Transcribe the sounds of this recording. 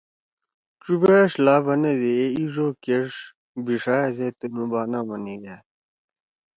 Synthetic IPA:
ʈ͡ʂubeʂlaːbɐned̪eeiʐokeʂ | biʂaːezet̪enubaːnamɐniɡa

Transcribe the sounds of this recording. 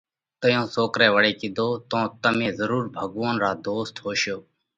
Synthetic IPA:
t̪əjõːsoːkɾɛːʋəɽeːkɪd̪oːt̪õːt̪əmẽːzəɾuːɾbʱəɡʋoːnɾaːd̪oːst̪ɦoːʃjoː

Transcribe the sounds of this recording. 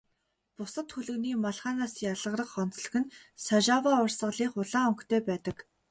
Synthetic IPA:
pʊsə̆t̪xuɮɘ̆ɣniːmaɮχaːnaːsjaɮə̆rə̆χχɔn̥t͡s̆ɮɵ̆ɣɘ̆nsaʒawaːʊrsə̆ɮiːχʊɮaːɵŋkt̪ʰeːpæːt̪ə̆k

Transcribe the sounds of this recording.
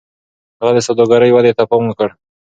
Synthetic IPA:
haɣad̪əsad̪oɡaɾəjwad̪et̪apawŋkəɽ

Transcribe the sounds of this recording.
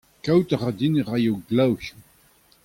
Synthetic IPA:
kawt̪aʁad̪inəʁajowɡlawçu̥

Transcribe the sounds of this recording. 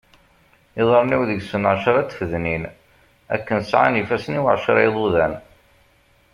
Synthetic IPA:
ɪðˤɑɾˤniwðəɡsənʕʃəɾˤæt͡s̪ːfəðnin | æ̰kːənsʕa̰nifæsniwʕʃɾˤeðˤuðæn

